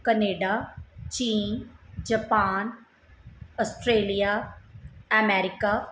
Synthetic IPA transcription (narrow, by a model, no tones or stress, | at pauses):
kəneːɖaːt͡ʃiːnd͡ʒəpaːn | ɔsʈɾeːlijaː | ɛmɛːɾɪkaː